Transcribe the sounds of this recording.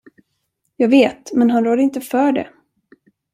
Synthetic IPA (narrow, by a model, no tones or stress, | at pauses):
jɑːɡveːt̪mɛnɦanɾoːd̪əɾɪnt̪əfœːɖɛ̰